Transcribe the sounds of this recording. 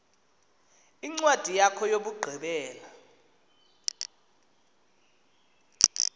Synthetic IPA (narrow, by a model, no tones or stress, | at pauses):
iŋ͡ǀwad̥ʱijakʰɔjoɓuɡ͡ǃʱiɓɛːla